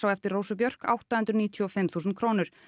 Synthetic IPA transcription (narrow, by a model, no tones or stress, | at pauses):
awɛft̪ɪɾrowsʏpjœr̥ka̰wht̪ahʏnt̪ɾʏniːt̪ʰjɔɔfɪmθuːsʏnt̪̚kʰɾoːnʏɾ̥